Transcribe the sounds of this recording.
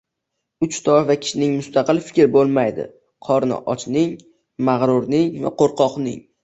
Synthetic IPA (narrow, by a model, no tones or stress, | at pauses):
ʊt͡ʃt̪ʰɒvakʲʰɪ̥ʃɪnɪŋmʊst̪ʰɑqɨlˠfɪ̥kʲɾɪbolˠmajd̪ɪ̰ | qʰɒɾnɪ̰ʔɒt͡ʃnɪŋ | maʁɾʊɾnɪŋva̰qʰoɾqʰɒqnɪ̰ŋ